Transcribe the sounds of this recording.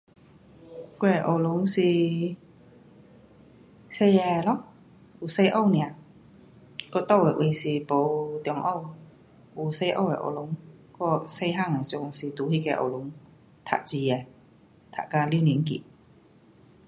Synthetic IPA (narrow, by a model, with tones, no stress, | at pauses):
ku˥˧ɛ˨˩ʔo˧˨˩lʊ˨˦ŋsi˨˩ | se˥˧jɛ˧˩lɔ˧˥ | u˨˩se˧jʔo˥˧˨wni˨a˨ | kɔ˧t̪ɔ˥˧wɛ˨˩ʔi˧˩si˨˩po˨˧wt̪jɔ˧ŋʔɔ˥˧˨w | ʔu˨˩se˧jʔo̰˥˧wɛ̰˨ʔo̰˨˩lʊ˨˦ŋkɔ˧˩se˧jɦa˥˩ŋa˨˩ŋt͡ɕʊ˧ŋsi˨t̪uː˨˦hi˧˨kɛ˧ʔo̰˨˩wlʊ˨˧˦ŋ | t̪ʰa̰˨˩ʔ̚t͡ɕi˧ɛ˨˩ | t̪ʰa̰˨˩ka˧li˧˥˧wni˨˧˦nkḭ˧˩